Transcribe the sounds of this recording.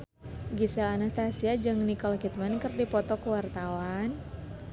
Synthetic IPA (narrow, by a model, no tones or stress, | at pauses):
ɡisaːnast̪asiad͡ʒɨŋnikɔlɦit̪̚mankərdipɔt̪ɔkuwart̪awan